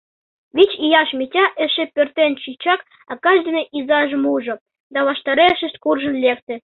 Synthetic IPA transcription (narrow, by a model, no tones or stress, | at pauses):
ʋʲit͡ɕijɑʃmʲitʲɑʔɘ̆ʃĕpʲørt̪ʲenʲt͡ɕit͡ɕɑk | ɑkɑʒd̪ɘ̆nɤʔizɑʒɤ̆muʐɤ̆ | d̪ɑβɑʃt̪ɑɾeʃɘ̆ʃt̪̚ʲkurʒɤ̆nlʲekt̪ʲɘ̆